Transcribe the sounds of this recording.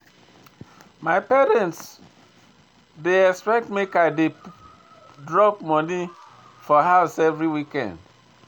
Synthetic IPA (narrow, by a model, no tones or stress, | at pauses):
maɪpɛɹɛ̃nts | deɛkspɛk̚tmekaɪde | dɹɔp̚mɔni | fɔɦaʊsɛvɹiwikɛ̰̃nd